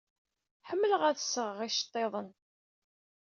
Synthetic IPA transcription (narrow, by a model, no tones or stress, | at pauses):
ħəmːələʁæθəsəʁəʁiʃə̥t̪ˤːeðˤən